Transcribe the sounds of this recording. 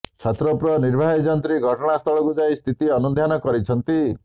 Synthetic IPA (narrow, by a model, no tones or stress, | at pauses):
t͡ʃʰɔt̪ɾɔpɾɔniɾbʱaɦid͡ʒɔnt̪ɾiɡʱɔʈɔɽ̃ast̪ʰɔɭɔkud͡ʒajst̪ʰit̪iɔnud̪ʱjanɔkɔɾit͡ʃʰɔnt̪i